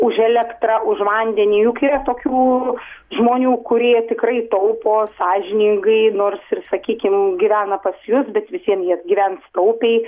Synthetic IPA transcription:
ʊʒɛlʲɛkt̪rɐʔʊʃʋɐnʲd̪ʲɛnʲiːjuːkɐiɾɐt̪oːkʲuːʒmoːnʲuːkʊɾʲiɛt̪ʲɪkrɐɪt̪ɐʊpoːsɑːʒʲɪnʲɪŋɡɐɪnoːrsɪrsɐkʲiːkʲɪmɡʲiʋʲæːnɐpɐsjʊsbʲɛt̪ʋʲɪsʲiɛnjiɛd̪ɡʲiʋʲɛnst̪ɐʊpʲɛɪ

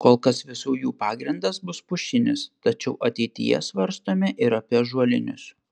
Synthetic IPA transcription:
koːlˠkɐsʋʲɪsuːjuːpɑːɡɾʲɪnd̪ɐsbʊspʊʃʲɪnʲɪst̪ɐt͡ʃʲɛʊʔɐt̪ʲɛɪt̪ʲɪ̰jɛ̰sʋɐɾst̪oːmʲɪʔɪɾɐpʲiɛʒuɔlʲɪnʲʊs

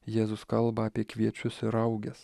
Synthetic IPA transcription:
jeːzʊskɐlˠbɐːpʲiɛkʋʲiɛt͡ʃʲʊsɪɾɐʊɡʲɛs

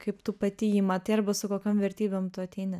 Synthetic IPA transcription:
kɐɪpt̪upɐt̪ʲɪjimɐt̪ɐɪɐɾbɐsʊkoːkʲoːmʋʲɛɾʲt̪ʲiːbʲoːmt̪ʊɐt̪ʲɛɪnɪ

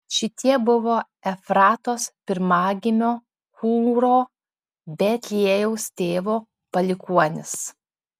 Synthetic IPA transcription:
ʃʲɪt̪ʲiɛbʊʋoː | ɛfɾɑːt̪oːspʲɪɾmɑːɡʲɪmʲoː | kuːɾoː | bʲɛt̪ʲlʲiɛjɛʊst̪ʲeːʋoː | pɐlʲɪkuɔnʲɪs

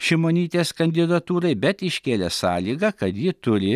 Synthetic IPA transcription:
ʃʲɪmoːnʲiːt̪ʲeːskɐnʲd̪ʲɪd̪ɐt̪uːɾɐɪbʲɛt̪ɪʃʲkʲeːlʲɛsɑːlʲiːɡɐkɐt̪jɪt̪ʊɾʲɪ

